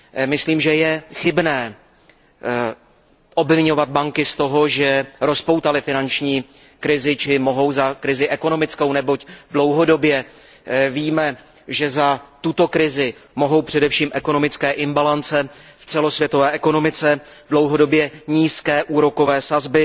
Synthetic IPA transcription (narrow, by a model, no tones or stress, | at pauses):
mɪsliːmʒɛjɛxɪbnɛː | ʔo̞bvɪɲo̞vad̪̚baŋkɪst̪o̞ɦo̞ʒɛɾo̞spo̞wt̪alɪfɪnant͡ʃɲiː | kɾɪzɪt͡ʃɪmo̞ɦo̞wzakɾɪzɪʔɛko̞no̞mɪt͡sko̞wnɛbo̞cdlo̞wɦo̞do̞bjɛ | viːmɛ | ʒɛzat̪ut̪o̞kɾɪzɪmo̞ɦo̞wpr̝̥ɛdɛfʃiːmʔɛko̞no̞mɪt͡skɛːʔɪmbalant͡sɛft͡sɛlo̞svjɛt̪ovɛːʔɛko̞no̞mɪt͡sɛdlo̞wɦo̞do̞bjɛɲiːskɛːʔuːɾo̞ko̞vɛːsazbɪ